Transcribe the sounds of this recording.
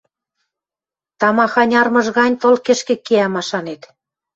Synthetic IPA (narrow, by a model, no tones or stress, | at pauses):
t̪ɑmɑxɑnʲɑrmɤ̆ʒɣɑnʲt̪olkĕʃkĕkːeæmɑʃɑnet̪